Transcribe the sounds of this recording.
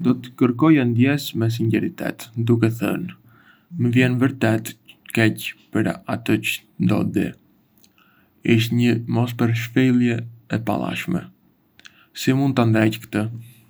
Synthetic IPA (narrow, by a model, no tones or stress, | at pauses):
d̪ɔt̪ə̥kəɾkɔjand̪jɛsmɛs̬iɲɟɛɾit̪ɛ̰t̪d̪uk̬ɛθə̰n | məvjɛnvəɾt̪ɛt̪kɛcpəɾat̪ət͡ʃə̥ | nd̪ɔ̰d̪ḭ | iʃ̬t̪ɲəmɔs̬pəɾʃfilˠjɛɛpa̰lˠa̰ʃmɛ̰ | simund̪̚t̪and̪ɾɛckə̥t̪ə